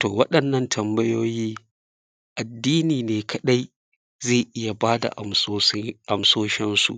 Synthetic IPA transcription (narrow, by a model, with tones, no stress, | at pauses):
to̰ː˨wɐ˦ɗɐ˨nːɐ˦ntʰɐ˨mbɐ˦joː˦jiː˦ | ʔa˨dːiː˦niː˨neː˨kʰɐ˦ɗa˦j | zeː˦˨ʔɪ˦ja˨baː˦da̰˨ʔ | ʔa˨msoː˦ʃɪ˦nsṵ˨ʔ